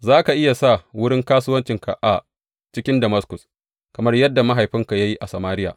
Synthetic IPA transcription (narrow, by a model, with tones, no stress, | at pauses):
zaː˦ka˨ʔɪ˦ja˨sa˦˨wʊ˦ɽɪ˦ŋkaː˦sʊː˦wɐ˦nt͡ʃɪ˨ŋka̰˨ʔa˨ | t͡ʃɪ˦kʲɪ˦ndɐ˨mɐ˦skʊ˨s | kɐ˨mɐ˦rjɐ˦dːa˨ma˦ɦa˨jɸɪ˦ŋka˨ja˦ji˦ʔa˨sɐ˨maː˦ɾɪ˦ja̰ː˨